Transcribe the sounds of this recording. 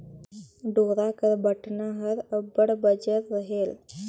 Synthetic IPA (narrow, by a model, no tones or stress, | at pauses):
ɖoɾakəɾbʱəʈnaɦəɾəbəɽbəd͡ʒəɾɾəɦel